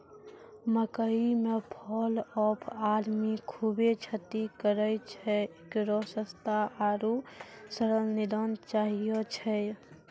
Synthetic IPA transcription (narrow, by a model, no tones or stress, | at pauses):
məkəimepʰɔlɔpʰad̪mikʰubet͡ʃʰət̪ikəɾət͡ʃʰɛ | kɾɔsəst̪aʔaɾusəɾəlnid̪ənt͡ʃaɦijɔt͡ʃʰɛ